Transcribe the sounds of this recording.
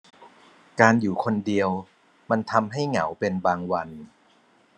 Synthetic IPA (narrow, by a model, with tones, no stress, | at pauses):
kaː˧njuː˨˩kʰo˧ndi˧əw | ma˧nt̪ʰa˧mɦa˥˩jŋa˩˦wpe˧nbaː˧ŋwa˧n